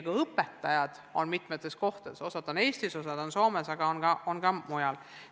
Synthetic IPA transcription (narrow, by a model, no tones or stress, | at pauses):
ɡ̥ɑɤpːˑet̪ːˑɑjɑd̪̥o̞̰nmit̪ˑmet̪ːˑe̞sko̞ht̪e̥eso̞sɑd̪̥one̞ːst̪iso̞sɑd̪̥o̞nso̞ːmesɑɡ̥ɑonɡ̥ɑonɡɑmujɑl